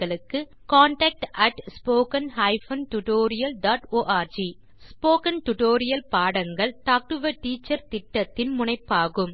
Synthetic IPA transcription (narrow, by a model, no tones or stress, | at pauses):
ɐɭɯkːɯ | kaːɳʈɐk̚ʈʔɐʈspoːkɐnɦɐɪfɐnʈʊʈoːɾɪjɐlɖaːʈoːʔaːɾd͡ʒi | spoːkɐnʈʊʈoːɾɪjɐlpaːɽɐŋɡɐɭʈaːk̚ʈɯʋɐʈiːt͡ʃːɐɾt̪ɪʈːɐt̪ːɪnmʊɳɐɪpːaːɣɯm